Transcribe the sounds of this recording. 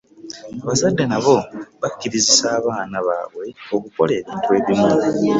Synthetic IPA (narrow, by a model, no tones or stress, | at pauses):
aβasadːenaβo̞βakːiɾizisaːβaːnaβa̰ːβwe̞okuko̞̰le̞ːβiːntuwe̞ːβimu